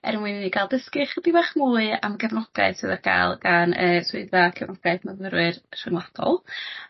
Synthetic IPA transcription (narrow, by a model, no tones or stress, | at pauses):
ɛ̰ɾmwɨninikʰajlˠdəskɨχədivaχmuːɨamɡɛvnɔɡ̥a̰ɨsɨːðərɡʰa̰jlˠɡ̥anəːswʊɨdakʰɛvnɔɡ̥aɨθmənvəɾwɨrʃɪnlˠad̥ɔ̰lˠ